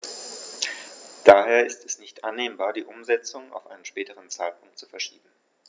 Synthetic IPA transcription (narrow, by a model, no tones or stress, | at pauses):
d̥aːheːɐɪstʰɛsnɪçtʔanːeːmbaːɐdiːʔʊmzɛt͡sʊŋa̰ʊfʔaɪnənʃpɛːtəʁ̞ənt͡saɪlpʰʊŋk̚tt͡su̥fɛɐʃiːbm̩